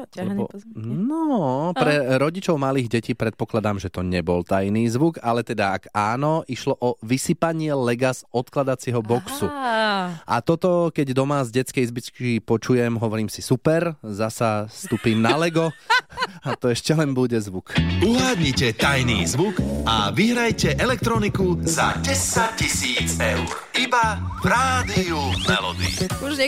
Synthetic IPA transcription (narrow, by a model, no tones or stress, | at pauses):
lɛbnɔpɾɛɾɔɟit͡ʃɔʊmaliːɣɟɛciːpɾɛt̪̚pɔklad̪aːmʒɛt̪ɔɲɛbɔlt̪ajniːzʋuɡalɛt̪ɛd̪aaɡaːnɔʔiʃlɔʔɔʋisipaɲɪɛlɛɡasɔt̪klad̪at͡siɦɔbɔksu | ʔa̰t̪ɔt̪ɔkɛɟd̪ɔmazɟɛt͡skɛjzbit͡skipɔt͡ʃujɛmɦɔʋɔɾiːmsisupɛɾzasast̪uːpiːmnalɛɡɔ | at̪ɔɛʃcɛlɛnbuɟɛzʋukuɦaːd̪ɲicɛt̪ajniːzʋukaʋiɦɾajcɛʔɛlɛk̚t̪ɾɔnikuza̰ɟɛsac̚cisiːt͡sɛʊɾibapɾaːd̪iumɛlɔ̰d̪ḭuʒɲɛ